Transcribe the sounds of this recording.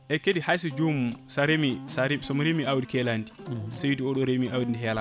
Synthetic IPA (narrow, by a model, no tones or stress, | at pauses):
ʔɛkedihajs̬id͡ʒumsaɾemisaɾisɔmɾemiawdikɛlandi̥sewdiɔɗɔɾemiʔawdindiɦɛla